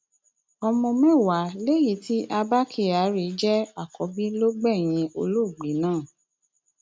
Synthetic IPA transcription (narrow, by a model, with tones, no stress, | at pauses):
ɔ˧mɔ̃˧mɛ̃˦˨wa˨˦le˦ji˦ti˦ʔa˧ba˦kʰi˦˨a˨˦ɾi˨˦d͡ʒɛ˦a˦˨kɔ˨˦bi˦lo˦ɡ͡bɛ˦˨j̃ĩ˧o˧lo˦˨ɡ͡bi˨˦nãː˦˨